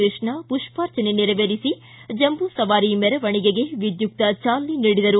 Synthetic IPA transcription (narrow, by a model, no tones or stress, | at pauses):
eːʂɳɐpuʂpaːɾt͡ʃɐneniɾɐʋeːɾisi | d͡ʒɐmbusɐʋaːɾimɛɾɐʋɐɳiɡeɡe̞ʋid̪juk̚t̪ɐt͡ʃaːlːiniːɽid̪ɐɾu